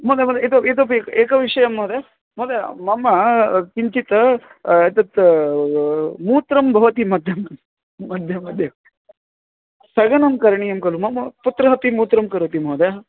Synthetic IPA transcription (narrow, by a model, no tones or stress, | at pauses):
mod̪ʱjɐmɐd̪jet̪̬oet̪̬opekekɐʋiʂɐjɐmːod̪e | mod̪jamɐmːɐkiɲt͡ʃit̪ɐet̪ɐt̪ | muːt̪ɾɐmbʱɐʋɐt̪imɐd̪ʱjɐmd̪ | mɐd̪ʱjɐmɐd̪ʱjɐ | sɐɡɐnɐmkɐɾɳijɐmkɐlumɐmɐput̪ɾɐɦɐpimuːt̪ɾɐmkɐɾot̪imoːd̪ja